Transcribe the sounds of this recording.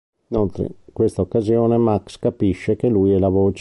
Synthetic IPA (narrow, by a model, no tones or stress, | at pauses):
inolt̪ɾḛkwest̪aokːazjoːnemakskapiʃːekelujɛlavoːt͡ʃ